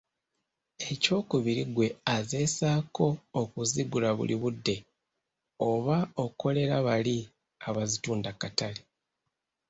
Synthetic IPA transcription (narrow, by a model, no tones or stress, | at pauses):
e̞co̞ːkuβiɾiɡwe̞aze̞ːsaːko̞ːkuziɡulaβṵliβudːe̞ | o̞βao̞ko̞le̞ɾaβali | aβazituːndakatali